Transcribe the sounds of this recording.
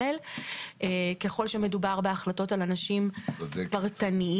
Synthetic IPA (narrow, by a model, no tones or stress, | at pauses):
elʔeke̞χo̞lʃeme̞dubaʁbeaχlato̞talanaʃimpaʁt̪ani